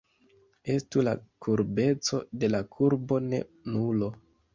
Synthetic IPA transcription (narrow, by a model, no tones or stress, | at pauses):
e̞stula̰kʰuɾbe̞t͡so̞de̞lakʰuɾbo̞ne̞̰ | nulo̞